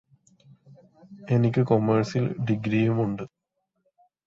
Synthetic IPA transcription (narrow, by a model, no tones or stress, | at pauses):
e̞nikʲːɨkomːɐrsilɖiɡɾiːjumuɳɖɨ